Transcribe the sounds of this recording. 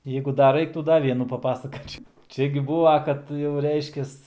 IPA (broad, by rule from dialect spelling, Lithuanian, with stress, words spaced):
ˈjɛɪɡʊ dɐr ˈrɐɪktuː ˈdɐ ˈʋʲiɛnuː pɐˈpɑːsɐkoːt͡ʃʲɛʊ ˈt͡ʃʲɛ ɡʲɪ ˈbuːʋɐ kɐt jɛʊ ˈrʲɛɪʃʲkʲɛs